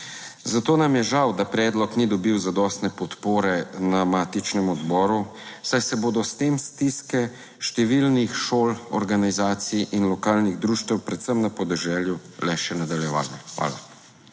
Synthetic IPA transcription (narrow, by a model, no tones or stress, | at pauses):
zat̪oːnamjɛʒawd̪apɾɛːd̪lɔknid̪ɔbiwzad̪ɔst̪nɛpɔt̪poːɾɛnamaːt̪it͡ʃnɛmɔd̪bɔːɾusajsɛboːd̪ɔst̪eːmst̪iskɛ | ʃt̪ɛʋilnixʃoːlɔ̰ɾɡanizaːt̪siʔinlɔkaːlniɣd̪ɾuːʃt̪ɛwpɾɛt̪səmnapɔd̪ɛʒɛːljulɛʃɛnad̪aljɛʋa̰ːlixʋa̰ːla